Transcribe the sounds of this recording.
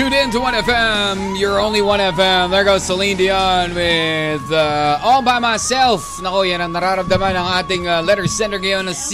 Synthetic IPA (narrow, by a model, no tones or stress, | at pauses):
ʉɾɪ̃ntəwʌ̃nɛfɛ̃mjə˞õʊ̃nliwʌ̃ñɛfɛ̃mlə˞ɡoʊsəlĩndiɑnwɪðʌɔlˠbaɪmaɪsɛlˠfnəkojɨɾãnnəɾaɾəv̚dɛmanãŋat̪ɪ̃ŋlɛɾə˞sɛ̃ntə˞ɡeə̃nɨs